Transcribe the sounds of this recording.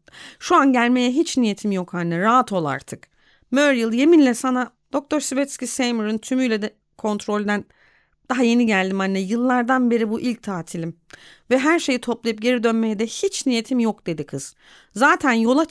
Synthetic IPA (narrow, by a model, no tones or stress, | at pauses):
ʃuanɟælʲme̞jɛɦit͡ʃnije̞t̪ʰimjokhanːɛɾaɦat̪ʰo̞lˠa̰ɾt̪ʰɯk | møɾjɯlˠje̞minlʲɛsana | d̪̥o̞k̚t̪ʰo̞ɾsivɛt̪scisejmuɾɯnt̪ʰymyjlʲɛd̪ɛ | kʰo̞nt̪ɾo̞lʲd̪æn | d̪̥aɦaje̞niɟælʲd̪imanːɛjɯlˠːaɾd̪anbe̞ɾibuʔilʲc̚t̪ʰaːt̪ʰilʲim | vɛɦæɾʃe̞jit̪ʰo̞plˠajɯp̚ɟe̞ɾid̪ø̞nme̞jɛd̪ɛhit͡ʃnije̞t̪ʰimjokd̪e̞d̪ikʰɯz̥ | zaːt̪ʰænjo̞lˠa